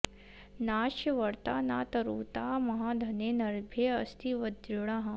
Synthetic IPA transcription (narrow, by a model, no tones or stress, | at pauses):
naːʃjɐʋɐɾt̪a̰ːnaːt̪ɐɾuːt̪aːmɐɦaːd̪ʱɐneːnɐɾbʱjeɐst̪iʋɐd̪iɽaːɦɐ̃